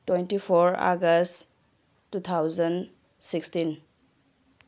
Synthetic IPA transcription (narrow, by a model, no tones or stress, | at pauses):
twejntipʰɔɾa̰ɡɐst | tut̪ʰawzən | sikstin